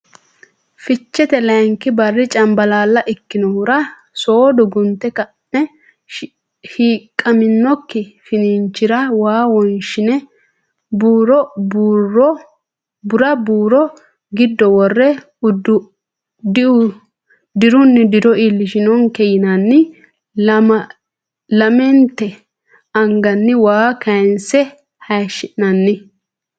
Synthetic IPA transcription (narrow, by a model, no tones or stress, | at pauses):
fɪt͡ʃːɛt̪ɛlɐŋkɪbɐrːɪt͡ʃʼɐmbɐlaːlːɐʔɪkːɪnɔwʊɾɐ | soːd̪ɔɡʊnt̪ːɛkɐnːɛ | ʃiːkʼːɐmɪnːɔkːɪfɪnɪnt͡ʃːɪɾɐwaːwɔnʃɪnɛ | buːɾɔbɔ | bʊɾɐbuːɾɔ | ɡɪd̪ːɔwɔrːɛ | ʊd̪ʊ | d̪ɪʊ | d̪ɪɾʊnːɪd̪ɪɾɔilːɪʃɪnɔŋkɛjɪnɐnːɪ | lɐmɛnt̪ːɛ | ɐŋɡɐnːɪwaːkɐjnsɛ | hɐjʃɪnɐnːɪ